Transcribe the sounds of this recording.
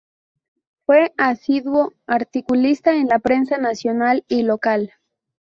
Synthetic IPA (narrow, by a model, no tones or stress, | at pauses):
fweasiðwoaɾt̪ikulist̪aenlapɾe̞nsanasjonalilokal